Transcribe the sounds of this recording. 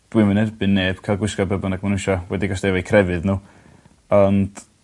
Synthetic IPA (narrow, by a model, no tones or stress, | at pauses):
d̥wɨmənɛrbɨnːeːb̥kʰajlˠɡwɪskɔbəbɔnaɡ̚manuʃɔwɛdiɡɔstdɛvajkʰrɛvɨðnuː | ɔnd̥